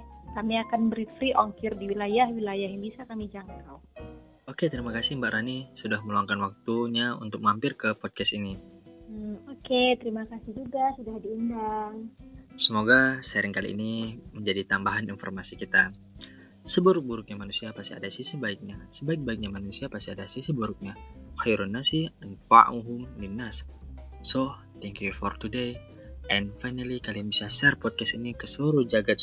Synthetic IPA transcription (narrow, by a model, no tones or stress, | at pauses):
kamiakanbəɾit̪fɾiʔoŋkɪrdiwilajahwilajaɦjaŋbisakamid͡ʒaŋkaw | oket̪əɾimakasimbaʔɾanisudahməluaŋkanwak̚t̪uɲaṵnt̪ʊk̚mampɪrkəpɔd̚kɛst̪ini | oket̪əɾimakasɪhd͡ʒuɡasudahdiindaŋsəmoɡasəɾɪŋkalḭːniməɲd͡ʒadit̪ambaɦaninfɔ̰rmasikit̪a | səbuɾʊk̚buɾʊk̚ɲamanusiapasia̰dasisibaik̚ɲasəbaɪk̚baik̚ɲamanusiapast̪iadasisibuɾʊk̚ɲahajɾunːasihnfa̰ʔuɦʊmdinːassɔh | t̪ɛŋkjufɔrt̪ude | ʔɛnfajnalikalianbisasɛrpɔt̪̚kɛst̪inikəsuɾud͡ʒaɡat̪̚